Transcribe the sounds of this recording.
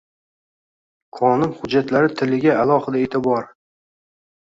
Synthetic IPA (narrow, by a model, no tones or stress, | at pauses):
qʰɒnʊnχʊd͡ʒːat̪laɾɪt̪ʰɪlɪɡʲaːlˠɒhɨd̪aet̪ʰɪbɒɾ